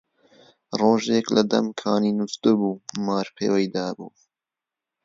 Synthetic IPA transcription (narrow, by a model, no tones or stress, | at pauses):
roːʒeklɐd̪ɐ̰mkʰaːniːnust̪ɨbuːmaːɾpʰḛːwɐjd̪aːbṵː